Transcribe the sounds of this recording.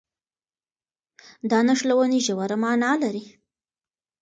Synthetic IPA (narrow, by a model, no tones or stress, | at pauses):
d̪ɑnaʂlawəniʒawaɾamɑnɑlaɾi